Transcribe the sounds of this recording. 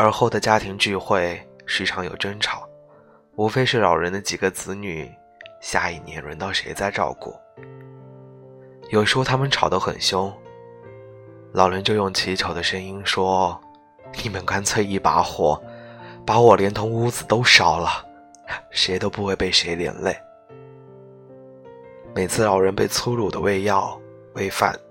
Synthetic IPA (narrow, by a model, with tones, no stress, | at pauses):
ə˞˧˥xo˥˩ʊd̪ə˩t͡ɕja˥t̪ʰi˧˥ŋt͡ɕy˥˧xwe˥˩ɪʂɻ̩˧˥ʈ͡ʂʰɑ˧˥ŋjo˨˩ʊʈ͡ʂə˥nʈ͡ʂʰɑ˨˩˦ʊ | u˧˥fe˥ɪʂɻ̩˥˩lɑ˨˩ʊɻə˧˥nd̪ə˧t͡ɕi˨˩ɡə˦t͡sɹ̩˧˥ny̰˨˩ | ɕja˥˩i˥˩njɛ̰˧˥nɻə˧˥nt̪ɑ˥˩ʊʂe˧˥ɪt͡sa˥˧ɪʈ͡ʂɑ̰˥˧ʊkṵ˥˩ | jo˨˩ʊʂɻ̩˧˥xo˥ʊt̪ʰa˥mə˨nʈ͡ʂʰɑ˨˩ʊd̪ə˧˥xə̰˨˩nɕjʊ˥ŋ | lɑ˨˩ʊɻə˧˥nt͡ɕjo˥˧ʊjʊ˥˩ŋt͡ɕʰi˧˥t͡ɕʰjo˧˥ʊd̪ə˦ʂə˥ŋi˥nʂwɔ˥ | li˨˩mə˦nka˥nt͡sʰwe˥˧ɪi˥˩pa̰˧˥xwɔ̰˥˩˦pa˧˥wɔ˨˩ljɛ˧˥nt̪ʰʊ˧˥ŋu˥d͡zɹ̩˨˩t̪o˥ʊʂɑ˥˩ʊlə˧ | ʂe˧˥ɪt̪o˥ʊpu˧˥xwe˥˧ɪpe˥˩ɪʂe˧˥ɪljɛ̰˨˩nle˥˩ɪ | me˨˩ɪt͡sʰɹ̩˥˩lɑ˨˩ʊɻə˧˥npe˥˩ɪt͡sʰu˥ɻu˨˩d̪ə̰˦we˥˧ɪjɑ˥˩ʊ | we˥˧ɪfa̰˥˩˦n